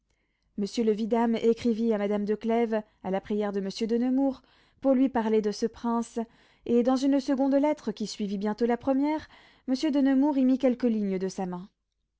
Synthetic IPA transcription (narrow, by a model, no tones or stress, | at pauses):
məsjøləvid̪amekχiviamad̪amd̪əklɛv | alapχijɛʁd̪əməsjød̪ənəmuʁ | puʁlɥipaʁled̪əsəpχɛ̃s | ed̪ɑ̃zynsəɡɔ̃d̪lɛt̪χəkʲisɥivibjɛ̃t̪olapχəmjɛʁ | məsjød̪ənəmuʁimikʲɛlkəliɲəd̪əsamɛ̃